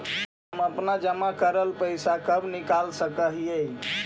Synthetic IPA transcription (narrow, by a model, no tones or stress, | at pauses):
məpnad͡ʒəmakəɾəlpəjsakəbnikalsəkəɦijəj